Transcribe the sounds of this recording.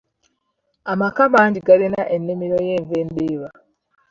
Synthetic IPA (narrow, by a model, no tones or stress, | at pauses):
amakamaːɲɟiɡalenaʔenːimiɾojeːɱvendeːβa